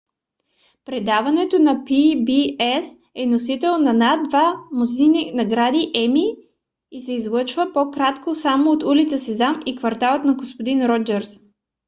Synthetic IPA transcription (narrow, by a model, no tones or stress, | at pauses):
pɾɛd̪avɐnɛt̪onɐpibiɛs | ɛnosit̪ɛlˠnɐnad̪vamozininɐɡɾad̪iʔɛmi | isɛizlˠɤt͡ʃvəpokɾat̪kosamoːt̪ulit̪səsɛzamikvɐɾt̪alˠət̪nɐɡospod̪inɾɔd͡ʒɛɾs